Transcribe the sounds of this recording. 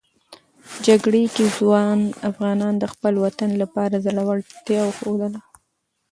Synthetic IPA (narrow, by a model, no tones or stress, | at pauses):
d͡ʒaɡɽekezwɑnafɣɑnɑnd̪əxpəlwat̪anlapɑɾazəɽawəlt̪jɑwxod̪əla